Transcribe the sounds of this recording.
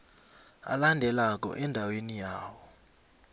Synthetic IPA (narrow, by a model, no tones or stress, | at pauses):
a̰landʱɛlak̬ɔ̰ʔɛndʱawenijaːwɔ